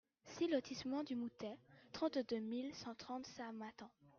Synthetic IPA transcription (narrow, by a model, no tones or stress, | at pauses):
silɔt̪ʰismɑ̃d̪ymut̪ɛt̪χɑ̃t̪d̪ømilsɑ̃t̪χɑ̃t̪samat̪ɑ̃